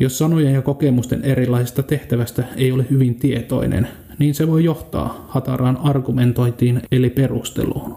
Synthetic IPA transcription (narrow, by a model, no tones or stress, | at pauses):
jo̞sːɑnojenjɑko̞kemust̪e̞ne̞ɾilːɑisest̪ɑt̪e̞ht̪æʋæst̪æejo̞lehyʋint̪ie̞t̪o̞̰inḛn | niːnseʋo̞jjo̞ht̪ɑ̰ːhɑt̪ɑrʔɑːnɑrɡument̪o̞jnt̪iːnelipe̞rust̪ḛlṵːn